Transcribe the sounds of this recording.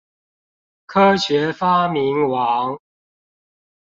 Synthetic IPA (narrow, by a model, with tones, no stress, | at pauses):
kʰɤ˥ɕɥɛ˨˦fa˦mi˨˦nwɑ˨˦ŋ